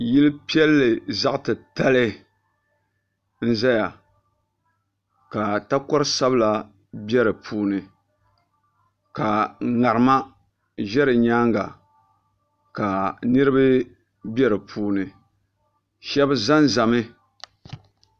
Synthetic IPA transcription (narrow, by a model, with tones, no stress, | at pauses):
ji˦lɨ˦pi˦ɛ˦lːɨ˨za˦ʔtɨ˨ta˦lɨ˦ | n̩˦za˦ja˨ | ka˨ta˦kɔ˦ɾɨ˦sa˦bla˨ | bɛ˦ɾɨ˨pʰuː˦nɨ˨ | ka˨ŋa˨ɾɨ˨ma˦ | ʒɛ˦ɾɨ˨ɲaː˦ŋɡa˨ | ka˨nɨ˦ɾɨ˦bɨ˦ | bɛ˦ɾɨ˨pʰuː˦nɨ˨ | ʃɛ˦bɨ˦za˦nza˨mɨ˦